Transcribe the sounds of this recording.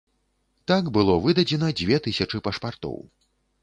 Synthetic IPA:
t̪aɡbɨlˠɔvɨd̪ɐd͡zʲɛnɐd͡zʲvʲɛt̪ɨsʲɐt͡ʂɨpɐʂpart̪ɔ̰w

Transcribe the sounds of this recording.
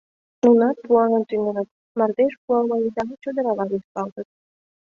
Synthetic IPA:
nunɑt̪̚puɑnɤ̆nt̪ynʲenɤ̆t̪ | mɑrd̪eʃpuɑmɑjid̪ɑnt͡ɕod̪ɤ̆ɾɑlɑd̪ispɑlt̪ɤ̆t̪̚

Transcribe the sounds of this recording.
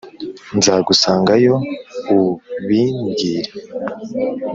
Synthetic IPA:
nzaɡusaːŋɡajo̞uβiɲɟiɾe

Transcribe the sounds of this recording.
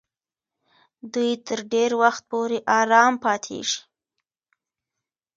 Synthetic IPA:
d̪ujt̪əɾɖeɾwaxt̪̚poɾeʔɑɾɑmpɑt̪ʰḛʒi̥

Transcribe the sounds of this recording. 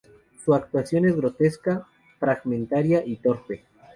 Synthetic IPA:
suak̚t̪wasjo̞ne̞zɣɾo̞t̪e̞ska | fɾaɣmẽ̞nt̪aɾjaʔit̪o̞ɾpe̞

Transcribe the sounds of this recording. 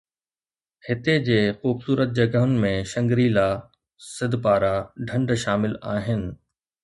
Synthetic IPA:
hɪt̪ed͡ʑeːxuːbsuːɾət̪̚d͡ʑɐɡəɦʊnɪ̆mẽʃɐ̃ŋɡɾilaː | sɪd̪ʱpaːɾaɖʱɐ̃ɳɖʃaːmɪlaːɦɪnɪ̆

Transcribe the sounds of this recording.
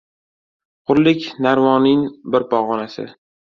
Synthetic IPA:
qʊɾlɪkʲnaɾmɒnɪŋbɪɾpɒʁɒnasɪ̰

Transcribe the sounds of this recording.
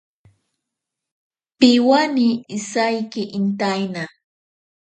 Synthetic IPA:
pɪwaniːsajkɪʔɪnt̪ajna

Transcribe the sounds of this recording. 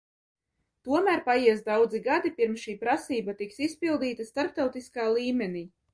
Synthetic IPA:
t̪uɔmæːɾpajiɛsd̪awd̪ziɡad̪ipiɾmsʃiːpɾasiːbat̪iksispilˠd̪iːt̪ast̪aɾp̚t̪awt̪iskaːlˠiːmʲeniː

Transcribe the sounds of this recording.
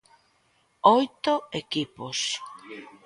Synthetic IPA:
ojt̪oekipos

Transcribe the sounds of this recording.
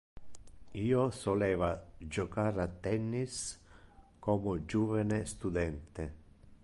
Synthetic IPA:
iːosolɛːvad͡ʒokaɾat̪ːɛnːis | komʊd͡ʒuːvanest̪ud̪ɛnt̪e

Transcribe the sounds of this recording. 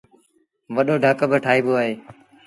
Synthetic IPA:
ʋəɗoːɖʱəkbəʈʰaːɦiːboːaːɦeː

